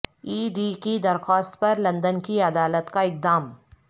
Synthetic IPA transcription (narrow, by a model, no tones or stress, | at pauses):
iːɖiːkid̪ɐɾxaːst̪pɐɾlɐ̃nd̪ənkiɐd̪aːlət̪kaɪk̚d̪aːm